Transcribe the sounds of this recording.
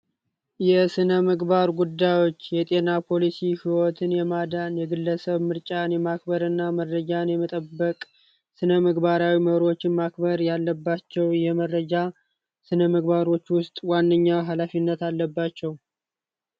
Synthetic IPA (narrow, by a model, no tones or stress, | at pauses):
jɛsɨnəməɡbaɾɡud̪ːajo̞t͡ʃːjɛt̪ʼe̞napʰo̞lisihiwɔt̪ʰɨnjɛmad̪anjɛɡɨlːəsəβmɨɾt͡ʃʼanjɛmak̚bəɾɨnːaməɾəd͡ʒanjɛmət̪ʼəbːəkʼ | sɨnəməɡbaɾawiməβɾo̞t͡ʃːɪmakbəɾjalːəbːat͡ʃːɛwjɛməɾːəd͡ʒa | sɨnəməɡbaɾo̞t͡ʃːwʊst̪ʼwanːəɲːawɦalafinːət̪alːəbːat͡ʃːɛw